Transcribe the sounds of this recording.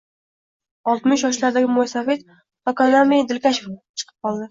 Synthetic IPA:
ɒlˠt̪mɪʃjɒʃlaɾd̪aɡʲɪmojsave̞t̪ | ɒkanamed̪ɪlkʲaʃeft͡ʃʰɨ̥qʰɨ̥p̚qʰɒlˠd̪ɪ

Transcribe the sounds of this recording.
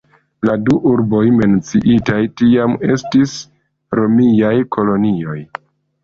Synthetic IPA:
laduʔuɾbo̞jme̞nt͡siʔitajtiame̞stis | ɾo̞miajkʰo̞lo̞nio̞j

